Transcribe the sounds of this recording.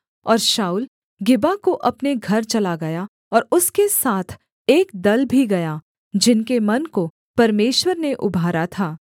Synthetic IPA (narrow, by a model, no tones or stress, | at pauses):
ɔːɾʃaːuːl | ɡɪbakoʔɐpneɡʱɐɾt͡ʃɐlaɡɐja | ɔːɾʊskesaːt̪ʰ | eːk̚d̪ɐlbʱiɡɐja | d͡ʒɪnkemɐnko | pɐɾmeːʃwəɾneʔʊbʱaːɾat̪ʰaː